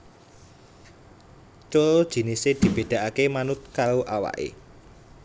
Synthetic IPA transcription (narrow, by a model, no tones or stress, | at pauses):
t͡ʃoɾod̥ʒ̥i̤nised̪̥i̤b̥e̤d̪̥a̤ʔakemanʊt̪̚kaɾoʔawa̰ʔḛ